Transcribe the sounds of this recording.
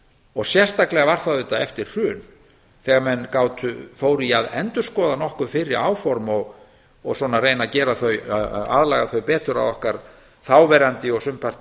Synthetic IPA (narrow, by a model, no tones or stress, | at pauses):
ɔɣsjɛr̥st̪aklɛɣavaɾ̥θaðʏt̪aɛ̰ft̪ɪɾ̥r̥ʏːn | θɛɣaɾmɛnkaːwt̪ʏfoːwɾiaðɛnt̪ʏ̥skɔːðanɔhkʏfɪɾɪɾaːwfɔɾmɔɣ | ɔɣswɔːnarejnacɛːɾaθœɥa̰ðlaɣaθœɥpɛːt̪ʏɾa̰ðɔhkaɾ̥ | θaːwvɛɾant̪ɪɔɣsʏmpʰar̥t̪